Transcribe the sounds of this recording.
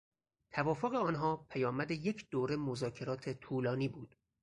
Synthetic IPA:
t̪ʰævɒːfoɣeɒːnɦɒːpʰæjɒːmæd̪eje̞cʰd̪oːɾemozɒːcʰe̞ɾɒːt̪ʰe̞t̪ʰuːlɒːniːbuːd̪̥

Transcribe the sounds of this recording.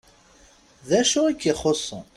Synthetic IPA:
ðæʃuikːiχosˤːə̰

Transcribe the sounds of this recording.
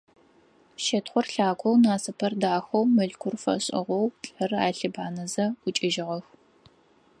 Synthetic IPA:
ʃɐtχʷɔrɬaːkʷʰɔwnaːsɐpʰɐrdaːxɐwmɨɮkʷʰʊrfɐ̰ɕʼɪ̰ʁʷɔwt͡ɬʼɐra̰ːɬɨbaːnɐzɐɡʷʊt͡ʃʼɪʒɪʁɐx

